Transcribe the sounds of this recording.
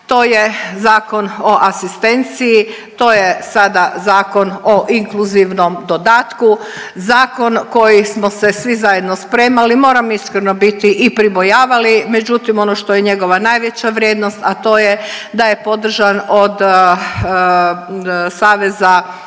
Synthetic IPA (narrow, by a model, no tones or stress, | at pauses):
t̪o̞ːjezaːko̞no̞ʔasist̪e̞nt̪siji | t̪o̞ːjesad̪azaːko̞noʔiŋkluziʋnomd̪o̞d̪aːt̪ku | zaːko̞nko̞jismosesʋizajed̪nospɾe̞ːmalimo̞ːɾamiskɾeno̞bit̪iʔipɾibo̞jaːʋalime̞d͡ʑut̪imo̞noʃt̪o̞jeɲe̞ɡo̞ʋanajʋe̞t͡ɕaʋɾʲjeːd̪nost̪at̪o̞ːjed̪ajepo̞d̪r̩ʒanod̪ | saːʋeza